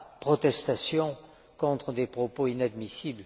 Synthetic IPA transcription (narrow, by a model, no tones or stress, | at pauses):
pχɔt̪ɛst̪asjɔ̃ | kɔ̃t̪χəd̪epχɔpoinad̪misibl